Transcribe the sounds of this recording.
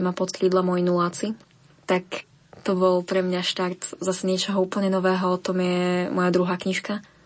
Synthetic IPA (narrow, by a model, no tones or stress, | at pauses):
mapɔt̪kliːd̪lamɔjinulaːt͡si | t̪ak | t̪ɔbɔlpɾɛmɲaʃt̪aɾt̪zasɛɲɪɛt͡ʃɔɦɔuːpl̩ɲɛnɔʋɛːɦɔɔt̪ɔmjɛmɔjad̪ɾuɦaːkɲiʃka